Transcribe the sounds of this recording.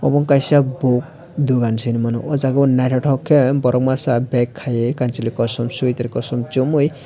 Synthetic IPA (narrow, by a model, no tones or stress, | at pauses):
ɔbɔŋkajsabok̚ | d̪uɡansinimanuʔɔzaɡɔnaʈʰɔʈʰɔkʰːembɔɾɔk̚masabɛkʰːajekant͡ʃilikɔsɔmsujt̪aɾkɔsɔmt͡ʃumuj